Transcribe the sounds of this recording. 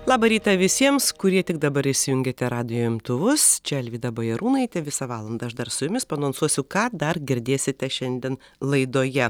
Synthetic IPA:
lˠɑːbɐɾʲiːt̪ɐʋʲɪsʲiɛmskʊɾʲiɛt̪ʲɪɡd̪ɐbɐɾɪʃʲsʲɪjʊŋʲɡʲeːt̪ʲɛɾɑːd̪ʲɪjoːɪmt̪ʊʋʊst͡ʃʲɛɛlʲʋʲiːd̪ɐbɐjɛɾuːnɐɪt̪ʲɛʋʲɪsɐʋɑːlˠɐnd̪ɐɐʃd̪ɐɾsʊjʊmʲɪspɐnoːnsuɔsʲʊkɑːd̪ɐrɡʲɪɾʲd̪ʲeːsʲɪt̪ʲɛʃʲɛnʲd̪ʲiɛn | lˠɐɪd̪oːjɛ

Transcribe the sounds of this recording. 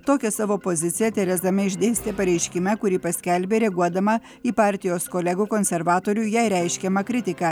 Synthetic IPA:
t̪oːkʲɛsɑːʋoːpozʲɪt̪sʲɪjɛt̪ʲɛɾʲɛzd̪ɐmʲɪɪʒʲd̪ʲeːsʲt̪ʲepɐɾʲɛɪʃʲkʲɪmʲɛkʊɾʲiːpɐsʲkʲɛlʲbʲeːɾʲɛɡuɔd̪ɐmɐ | iːpɑːɾʲt̪ʲɪjoːskolʲɛɡuːkoːnʲsʲɛɾʋɑːt̪oːɾʲuːjɛɪɾʲɛɪʃʲkʲɛmɐkɾʲɪt̪ʲɪkɑː

